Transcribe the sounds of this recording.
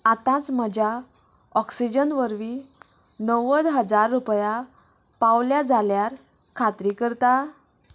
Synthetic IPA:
at̪ãt͡sməd͡ʑʱa | ɔksid͡ʑənʋəɾʋi | nəʋəd̪ɦəd͡zaɾːupja | paʋljad͡zʱaljaɾ | kʰat̪ɾikəɾt̪a

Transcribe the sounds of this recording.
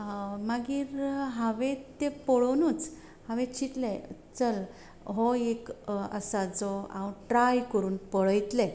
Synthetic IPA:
maɡiːɾɦãʋẽt̪epɔɭənuːt͡s | hãʋẽt͡ɕʰit̪let͡səl | ɦɔekə̰sad͡zɔã̰ʋuʈɾajkəɾuːnpəɭəjt̪le

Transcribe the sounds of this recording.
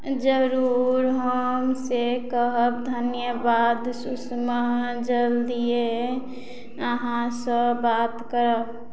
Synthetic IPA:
d͡ʒəɾuɾɦəmsekəɦəbd̪ʱənjəbad̪susməd͡ʒəld̪ie | əɦãsəbaːt̪kəɾəb

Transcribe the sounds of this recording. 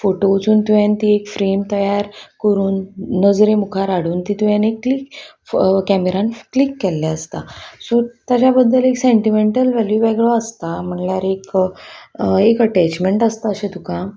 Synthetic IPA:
foʈout͡suːnt̪ujãnt̪iekfɾemt̪əjaɾkəɾuːnːəd͡zɾemukʰaɾaɽ̤uːnt̪it̪ujãnekːlik | kæmeɾãnklikːɛlːjaəst̪asot̪jat͡ɕabəd̪ʱːəleksẽɳʈimeɳʈəlʋæljuʋɛɡɭoəst̪am̤əɳljaɾek | ekəʈɛt͡ɕmeɳʈəst̪aəɕẽt̪ukã

